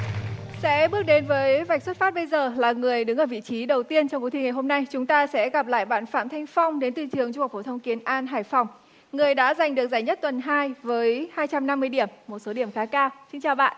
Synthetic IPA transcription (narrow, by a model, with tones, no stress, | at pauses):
sɛ̰˧˥ɓɨ˦˥ək̚ɗe˨˦nvəː˨˦jva˨˩k̟̚swə˦˥t̚faː˦˥t̚ɓə˧jzəː˨˩laː˨˩ŋɨ˨˩əjɗɨ˨˦ŋʔəː˧˩vḭ˧˨t͡ɕi˨˦ɗə˨˩wt̪i˧ənt͡ɕɔ˧wŋ͡mku˨˦t̪ʰi˧ŋa˨˩jɦo˧mna˧jt͡ɕʊ˨˦ŋ͡mt̪aː˧sɛ̰˧˥ɣa˨˩p̚la̰ː˧˨jɓa̰ː˧˨nfa̰ː˧˨mt̪ʰa˧jŋ̟fa˧wŋ͡mɗe˨˦nt̪ɨ˧˩tɨ˨˩əŋt͡ɕu˧ha˨˩k͡p̚fo˧˩t̪ʰə˧wŋ͡mki˨˦ənʔaː˧nɦaː˨˧˩jfɔ˨˩wŋ͡m | ŋɨ˨˩əjɗa̰ː˧˥za˨˩jŋ̟ɗɨ˨˩ək̚zaː˧˩jɲə˦˥t̚t̪wə˨˩nɦaː˧jvəː˨˦jhaː˧jt͡ɕa˧mna˧mːɨ˧əjɗi˧˩əmːo˨˩t̚so˨˦ɗi˧˩əmxaː˨˦kaː˧wsï˧ŋ̟t͡ɕaː˨˩wɓa̰ː˧˨nʔ